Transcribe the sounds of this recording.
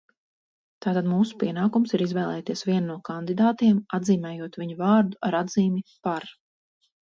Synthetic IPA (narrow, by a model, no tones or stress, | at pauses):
t̪aːt̪ad̪muːsu̥piɛnaːkumsiɾizvɛːlˠɛːt̪iɛsviɛnːuɔkand̪id̪aːt̪iɛmad̪ziːmɛːjuɔt̪viɲuvɑːɾd̪uaɾad̪ziːmʲipaɾ